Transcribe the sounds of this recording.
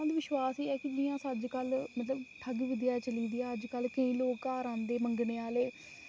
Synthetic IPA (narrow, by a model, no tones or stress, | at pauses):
d̪iːʋɪʃwaːsiːɛːkɪd͡ʒɪjãːsəd͡ʒkəlmət̪ləbʈʰəɡʋɪd̪ɪjaːt͡ʃəliːd̪iːaːəd͡ʒkəlkəĩːloːkːaːɾãːnd̪eːməŋɡneːaːleː